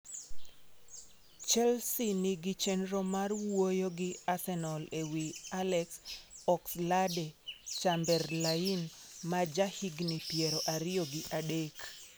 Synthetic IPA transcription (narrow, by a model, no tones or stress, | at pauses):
t͡ʃɛlsinɪɡɪt͡ʃɛnɾomarwojoɡɪasɛnɔlewialɛksɔksladet͡ʃambɛrlainmad͡ʒahiɡnipjeɾoʔaɾɪjoɡɪʔadek